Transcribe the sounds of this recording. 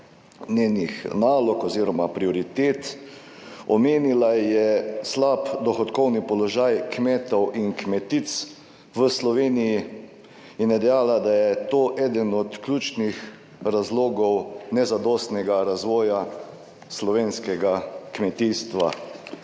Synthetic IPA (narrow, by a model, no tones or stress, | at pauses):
nʲeːnixnaːlɔkɔziːɾɔmapɾiɔɾit̪eːt̪ | ɔmeːnilajɛslaːpd̪ɔxɔt̪kɔwnipɔlɔʒajkmeːt̪ɔwʔinkmɛt̪it̪s | ʋəslɔʋeːniji | inɛd̪ɛjaːlad̪ajɛt̪oːʔɛːd̪ənɔt̪klʲjuːt͡ʃnix | ɾazloːɡɔwnɛzad̪ɔːst̪nɛɡaɾazʋɔːja | slɔʋeːnskɛɡakmɛt̪ist̪ʋa̰